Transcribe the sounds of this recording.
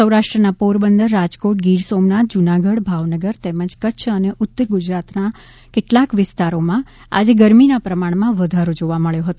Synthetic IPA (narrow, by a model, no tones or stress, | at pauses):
əwɾaʃʈɾənapoɾbənd̪əɾːad͡ʒkoʈɡiɾsomnat̪̚d͡ʒunaɡəɽbʱaʋnəɡəɾt̪eməd͡ʒkətːʃʰəneʔʊt̪ːəɾɡʊd͡ʒɾat̪na | kɪʈlakʋɪst̪aɾomã | a̰d͡ʒeɡəɾminapɾəmaɳ̃mãʋəd̪ʱaɾod͡ʒoʋaməɭjoɦət̪o